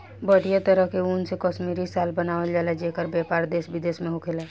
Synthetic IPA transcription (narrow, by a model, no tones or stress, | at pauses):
bəɽijat̪əɾəɦkeuːnsekɔʃmiːɾisaːlbənaːʋəld͡ʒaːled͡ʒeːkəɾbjɛːpaːɾd̪eːsbɪd̪eːsmẽɦʊkʰela